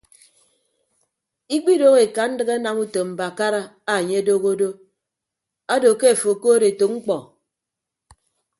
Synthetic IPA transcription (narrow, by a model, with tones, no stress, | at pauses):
i˦k͡pi˦do˦ɣe˨ka˨n̩˦dɨ˦ɣe˦a˦na˨mu˦to˨m̩˨ba˨ka˦ɾa˦ | a˦˨ɲe˦a˦do˦ɣo˦do˦ | a˦do˨ke˦a˨fo˨ko˦ɾe˨to˨ŋ͡m̩˦k͡pɔ˨